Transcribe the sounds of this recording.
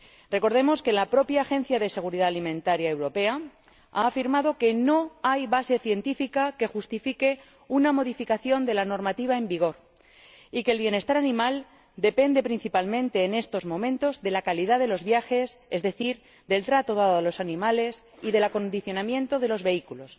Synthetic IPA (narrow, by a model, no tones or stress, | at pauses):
re̞ko̞ɾðe̞mo̞skelapɾo̞pjaːxe̞n̟θjaðe̞se̞ɣ̞uɾiðaalimẽ̞nt̪aɾjae̞wɾo̞pe̞a | a̰ːfiɾmaðo̞ke̞no̞ajβase̞θje̞nt̪ifikake̞xust̪ifike̞ | unamo̞ðifikaθjo̞nd̪e̞lano̞ɾmat̪iβaembiɣ̞o̞ɾ | ike̞ːlβje̞ne̞st̪aɾanĩmal | d̪e̞pe̞nd̪e̞pɾin̟θipalmẽ̞nt̪e̞ːne̞st̪o̞zmõ̞mẽnt̪o̞zðe̞lakaliðaðe̞lo̞zβjaxe̞ze̞zðe̞θiɾ | ðe̞lt̪ɾat̪o̞ð̞aðoelo̞sanĩmale̞siðe̞lako̞nd̪iθjo̞namjẽ̞nt̪o̞ð̞e̞lo̞zβe̞ikulo̞s